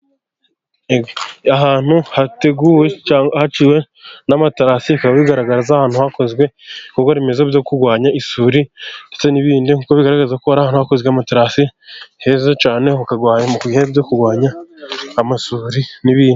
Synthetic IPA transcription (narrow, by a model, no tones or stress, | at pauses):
aɦaːn̥huhate̞ɡuːwe̞hat͡ʃiwe̞ | namataɾasikaβaβiɡaɾaɡaɾazahaːnhuhako̞zɡwe̞kukoβime̞zobjo̞kuɾɡwaːɲaʔisuːɾindet͡se̞niβiːndiŋuːkoβiɡaɾaɡazakoaɾahaːn̥huhakozɡeamataɾasihe̞zot͡ʃaːne̞hukaɡwaːɲamukuɡihebjokuɡwaːɲaː | masuːɾiniβiːndi